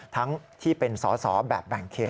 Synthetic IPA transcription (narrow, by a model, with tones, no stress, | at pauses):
t̪ʰa˦˥ŋt̪ʰiː˥˩pe˧nsɔː˩˦sɔː˩˦bɛ̰ː˨˩p̚bɛː˨˩ŋkʰːeː˨˩